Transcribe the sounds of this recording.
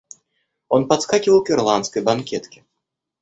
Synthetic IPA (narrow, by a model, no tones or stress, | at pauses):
ɔnpat̪skakʲivɐwkʲɛrlˠant̪skɐjbankʲɛt̪kʲi̥